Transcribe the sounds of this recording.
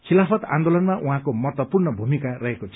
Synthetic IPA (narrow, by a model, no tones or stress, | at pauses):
kʰilapʰʌt̪a̰nd̪olʌnmaʔuɦãkomʌɦʌt̪wʌpurnʌbʱumikarʌɦekot͡sʰ